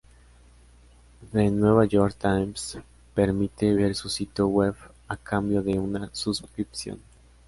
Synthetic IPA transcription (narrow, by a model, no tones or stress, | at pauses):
ðenweβajoɾkt̪ajms | peɾmit̪eβeɾsusit̪joweβ | akambjoðeunasuskɾipsjo̰n